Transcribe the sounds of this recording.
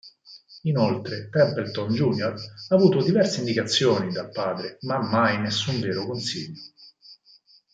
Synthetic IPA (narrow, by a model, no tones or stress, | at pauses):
inolt̪ɾet̪ɛmpelt̪ɔnd͡ʒunjoraːvuːt̪od̪ivɛrseind̪ikat̪sːjoːnid̪apːaːd̪ɾemamːajnesːuɱveːɾokonsiʎːo